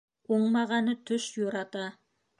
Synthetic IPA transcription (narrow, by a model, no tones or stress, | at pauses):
oɴmɑʁɑnət̪ʰʏʃjuɾɑt̪ɑ